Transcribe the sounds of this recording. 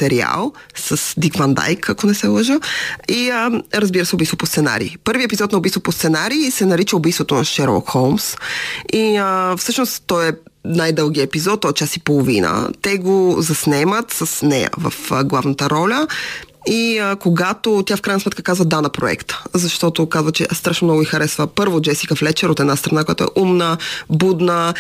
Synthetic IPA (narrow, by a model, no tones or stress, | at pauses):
t̪ɛɾia̰lˠsɐsd̪iɡvand̪a̰jkʰɐkonɛsɛlˠəʒəiəɾɐzbiɾəsɛobiːst̪vopost̪sɛna̰ɾḭːpɤɾviəɛpizɔt̪nɐobist̪vopost̪sɛnaɾiːsɛnɐɾit͡ʃəobijst̪vot̪onɐʃɛɾlˠɔ̰kxolˠmsiəfsɤʃnosɔjɛ | najd̪ɤlˠɡiəɛpizɔt̪̚ːɔjɛt͡ʃasipolˠovinə̰t̪ɛɡozɐsnɛmət̪səsnɛjə̰və̰fɡlˠavnət̪əɾɔlʲə | iəkoɡat̪ot̪jafkɾajnsmɛt̪kəkazvəd̪anɐpɾoɛ̰kt̪ə̥zɐʃt̪ɔt̪okazvət͡ʃɛ̰ʔst̪ɾaʃnomnɔɡʊixɐɾɛsvəpɤɾvod͡ʒɛsikəflɛt͡ʃɛɾot̪ɛd̪nast̪ɾɐnakoja̰t̪ʊɛ̰ʔumnəbud̪nə